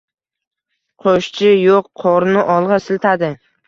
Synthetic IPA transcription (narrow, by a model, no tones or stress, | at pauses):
qʰoʃt͡ʃʰɪjoqːʰɒɾnɪʔɒlˠʁɑsɪlt̪ʰad̪ɪ